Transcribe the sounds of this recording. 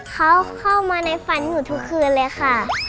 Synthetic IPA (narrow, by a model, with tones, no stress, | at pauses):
kʰa˧˦˥wkʰa˥˩wmaː˧na˧˥jfa˧˦nːuː˧˩t̪ʰu˧˦˥kʰːɯː˧nlɛː˦˥kʰa˧˥˩